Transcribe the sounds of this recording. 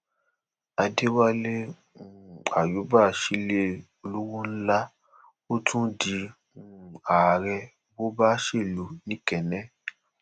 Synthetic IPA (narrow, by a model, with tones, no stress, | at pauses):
a˧de˦wa˦le˦˨ | a˨ju˨˦ba˦˨ʃi˦le˦ | o˧lu˦wũ˦n̩˦la˦ | o˦tũ˦di˨˦˨ | a˨ɾɛ˧ | bo˦ba˦ʃe˦˨lu˨nĩ˦kɛ˨nɛ̃˨˦